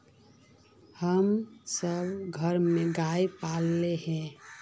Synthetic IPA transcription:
həmsəbɡʱəɾmeɡajpalːeɦɛ̃

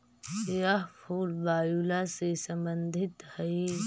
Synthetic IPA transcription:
jaɦpʰuːlbaːjuːlasesɐ̃mbənd̪ʱɪt̪hɐe

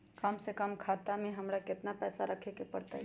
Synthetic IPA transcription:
kəmsekəmkʰaːt̪amẽɦəmɾakɪt̪napɛːsaɾəkʰekepəɽt̪a̰

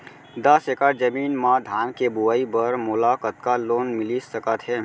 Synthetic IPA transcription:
d̪əsekad͡ʒəmiːnmãd̪ʱaːnkebuaibəɾmʊlaːkət̪̚kaloːnmɪlisəkət̪ɦɛː

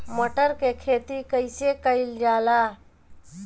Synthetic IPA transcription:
məʈəɾkekʰeːt̪ikəjsekəjld͡ʒaːla

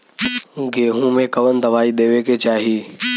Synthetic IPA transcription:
ɡeːɦũːmẽkəʋənd̪əʋaːiɗ̪eːʋeket͡ʃaːɦiː

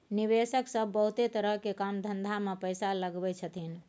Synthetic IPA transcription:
niβesəksəbːəɦut̪et̪əɾəɦkekamd̪ʱənd̪ʱamepəjsaləɡbɛt͡ʃʰət̪in

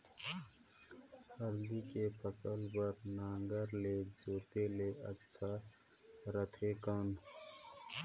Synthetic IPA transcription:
həɾd̪ikepʰəsəlbəɾnaːŋɡəɾled͡ʒoːt̪eleʔətːʃʰa | ɾət̪ʰekən

